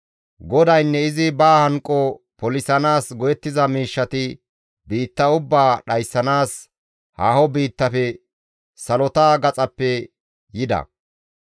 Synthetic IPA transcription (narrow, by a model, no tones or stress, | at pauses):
ɡɔd̪ɐjnːɛɪzɪbaːhɐŋkʼːɔ | pɔlɪsɐnaːsɡɔjɛt̪ːɪzɐmiːʃːɐt̪ɪ | biːt̪ːɐʊbːaːɗɐjsːɐnaːs | haːhɔbiːt̪ːɐfɛ | sɐlɔt̪aːɡɐt͡sʼɐpːɛ | jɪd̪ɐ̰